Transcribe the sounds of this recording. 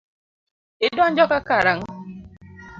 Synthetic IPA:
ɪdɔnd͡ʒɔkakaɾaŋ

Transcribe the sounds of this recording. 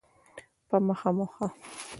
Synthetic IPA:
pamaχɑmoχɑ

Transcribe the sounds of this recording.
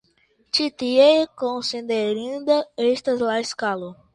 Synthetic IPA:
t͡ʃit̪iekõsĩd̪eɾĩnd̪ɐest̪ɐzlajskalo

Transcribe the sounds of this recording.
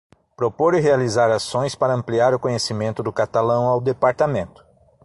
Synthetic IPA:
pɾopoɾɪɦealizaɾasõj̃spaɾɐɐ̃mpliaɾʊkõɲesimẽnt̪ʊd̪ʊkat̪alɐ̃w̃awd̪epaɾt̪amẽnt̪ʊ̥

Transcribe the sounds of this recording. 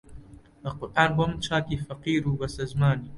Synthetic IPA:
bɐqʊɾʔaːnbomt͡ʃʰaːkiːfɐqiːɾuːbɐsɐzmaːniː

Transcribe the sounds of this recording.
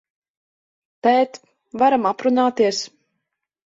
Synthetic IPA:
t̪ɛːt̪ | vaɾamapɾunaːt̪iɛs

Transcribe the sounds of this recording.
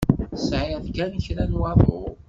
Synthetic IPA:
sʕɪðkænçɾænwɑðˤʊ̰ɾ

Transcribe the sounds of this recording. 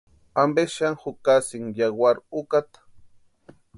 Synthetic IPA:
ambeʃaŋxʊkasiŋjawaɾukat̪ḁ

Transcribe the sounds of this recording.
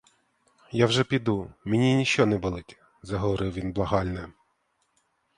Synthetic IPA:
jawʒɛpʲid̪umɪnʲinʲiʃt͡ʃɔnɛbɔlˠɪtʲ | zɐɦɔʋɔɾɪwʋʲinblˠɐɦɑlʲnɛ

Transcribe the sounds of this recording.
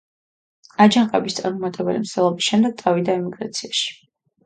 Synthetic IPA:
ad͡ʒaŋqʼɛbist̪sʼaɾmumat̪ʼɛbɾḭmsʰɛlˠɔbisʃɛmd̪ɛɡ̚t̪sʼavid̪aɛmiɡɾat̪sʰiaʃi̥

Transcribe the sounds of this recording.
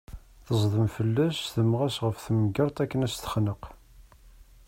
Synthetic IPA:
θəzˤðˤəmfəlːæsθəmʁæsʁəfθməɡɑɾˤt̪ˤækːənæst̪ə̥χnəq

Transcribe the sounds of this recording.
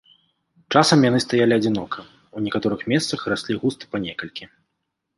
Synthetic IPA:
t͡ʂasɐmjanɨst̪ajalʲiɐd͡zʲinɔkʰɐ | unʲɛkat̪ɔɾɨxmʲɛst̪sɐxrasʲlʲiɣust̪ɨ̥pɐnʲɛkɐlʲkʲi

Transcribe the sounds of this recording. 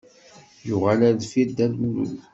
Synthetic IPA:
jʊʁalæðfid̪ælmlṵl

